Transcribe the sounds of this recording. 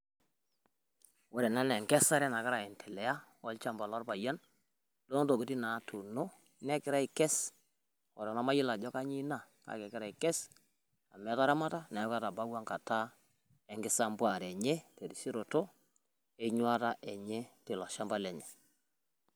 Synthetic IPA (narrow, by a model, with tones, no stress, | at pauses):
wɔ˦ɾɛ˨na˦nɛ˨ŋɡɛ˦sa˦ɾɛ˦na˨ka˦ɾa˨ɛ˨ntʰɛ˨lɛ˨ja˦ɔ˦lt͡ʃa˦mba˨lɔ˦ɾpa˨ja˦n | do˦n˦to˨ki˦ti˦na˨˦tu˨no˦ | nɛ˦kɪ˨ɾa˦i˨kɛ˦s | wɔ˨ɾa˨na˦ma˦jɪ˦la˨d͡ʒɔ˦ka˦ɲi˦na˦˨ | ka̰˨kɛ˨kɪ˦ɾa˦˨i˨kɛ˦s | a˨mɛ˨˦ta˦ɾa˦ma˦ta˦nɛ˨jɔ˦ka˦ta˨ba˦wa˦ŋka˨ta˦ | ɛ˨ŋɡɪ˦sa˦mbwa˨ɾɛ˨ɲe˦te˨ɾi˨si˦ɾo˨to˦ | e˦ɲwa˦ta˦ʔɛ˨ɲe˦te˨lɔ˨ʃa˦mba˦lɛ˨ɲɛ˨